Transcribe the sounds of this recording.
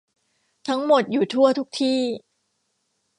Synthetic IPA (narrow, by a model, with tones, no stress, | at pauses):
t̪ʰa˦˥ŋmo˨˩t̪̚juː˨˩t̪ʰu˥˩ɐt̪ʰu˦˥k̚t̪ʰiː˥˩